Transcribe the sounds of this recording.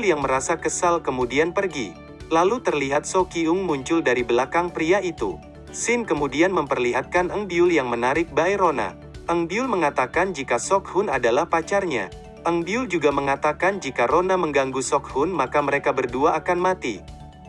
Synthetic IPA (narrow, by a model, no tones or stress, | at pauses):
ljaŋməɾasakəsalkəmudianpərɡi | lalut̪ərliɦat̪̚sokiʊŋmuɲt͡ʃʊldaɾibəlakaŋpɾiaʔit̪ṵ | sɪnkəmudianməmpərliɦat̪̚kanʔəŋbiʊljaŋmənaɾɪk̚bajɾona̰ | ʔəŋbiʊlməŋat̪akand͡ʒikasɔkhʊnadalahpat͡ʃarɲa̰ | ʔəŋbiʊld͡ʒuɡaməŋat̪akand͡ʒikaɾonaməŋɡaŋɡusɔk̚hʊnmakaməɾekabərduaʔːkanmat̪ḭ